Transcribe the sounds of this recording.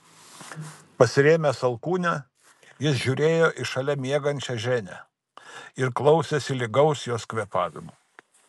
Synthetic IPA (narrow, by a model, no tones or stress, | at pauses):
pɐsʲɪɾʲeːmʲɛsɐlˠkuːnʲɛ | jɪsʒʲuːɾʲeːjoːʔɪʃɐlʲɛmʲiɛɡɐnʲt͡ʃʲɛʒʲæːnʲæ̰ | ɪɾklˠɒʊsʲɛsʲɪlʲɪɡɐʊsjoːskʲʋʲiɛpɑːʋʲɪ̰muː